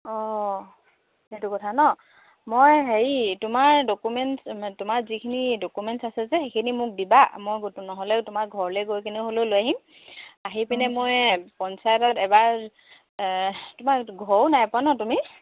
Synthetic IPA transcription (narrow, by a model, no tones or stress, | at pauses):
ɔ | etukɔtʰanɔ | mojɦeɹitʊmaɹdokumɛnstʊmaɹzikʰinidokumɛntsasɛzɛxekʰinimʊk̚dibamojɡotunɔɦɔlɛtʊmakɡʱɔɹlejɡojkʰiniɦololojaɦim | aɦipɛnɛmojpɔnsajɔtɔtɛbaɹ | tʊmaɹɡʱɔwnajpʊanɔtumi